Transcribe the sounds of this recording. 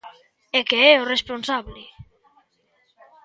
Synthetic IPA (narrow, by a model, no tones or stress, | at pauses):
ekeɛoresponsaβle